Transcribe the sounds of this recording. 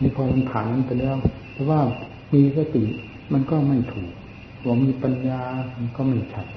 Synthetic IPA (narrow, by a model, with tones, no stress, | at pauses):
niː˧˩pʰɔː˧ma˧npʰaː˨˩nːa˧˥npa˧jlɛː˦˥˩w | t̪ɛː˨˩waː˥˩ | miː˧saː˧t̪i˨˩ | ma˧nkɔː˥˩ma˧˩nt̪ʰuː˨˩k̚ | waː˧˩miː˧pa˧njaː˧ma˧nkɔː˥˩ma˧˥˩t͡ɕʰa˦˥˩t̪̚